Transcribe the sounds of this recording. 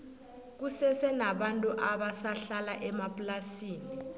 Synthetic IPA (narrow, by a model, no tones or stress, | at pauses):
k̬usɛsɛnaɓantʼuʔaɓasaɬalaʔɛmapʼlasiːni